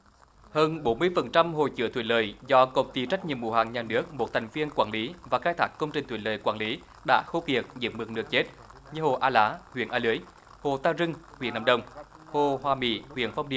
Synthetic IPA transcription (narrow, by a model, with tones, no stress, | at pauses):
həː˧nɓo˨˦nmɨ˧əjfə˨˩nt͡ɕa˧mɦo̰˧˨jt͡ɕɨ̰˧˥ət̪ʰwi˧˨˦ləː˨˩jzɔ˧kə̰˨˩wŋ͡mt̪i˨˦t͡ɕa˦˥jk̟̚ɲi˨mṵ˧˦haː˧˩ŋɲaː˨˩nɨ˦˥ək̚mo˨˩t̚t̪ʰa˨˩jŋ̟vi˧ənkwaː˧˩nli˨˦vaː˨˩xaː˧jt̪ʰaː˦˥kːə˧wŋ͡mt͡ɕï˨˩ŋ̟t̪ʰi˧˩˦ləː˧˨˩jkwaː˧˩nli˨˦ | ɗa̰ː˧˥xo˧ki˨˩ək̚zḭ˧˥m̚mɨ˨˩k̚nɨ˧˩ək̚t͡ɕe˦˥t̚ | ɲɨ˧ho̰˨˩ʔaː˧laː˨˦hwḭ˧˨ənʔaː˧lɨ˨˦əj | ho˨˩t̪aː˧zɨ˧ŋhwḭ˧˥ənaː˨˧˩ɗə˨˧˩wŋ͡m | ho˨˩hwaː˨˩mḭ˧˩hwḭ˧˨ənfa˧wŋ͡mɗi˧˨ə